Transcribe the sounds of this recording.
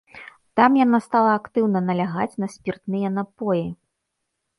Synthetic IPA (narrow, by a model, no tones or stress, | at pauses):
t̪amjanast̪alˠɐːkt̪ɨwnɐnɐlʲaɣat͡sʲnɐsʲpʲirt̪nɨjɐnapɔji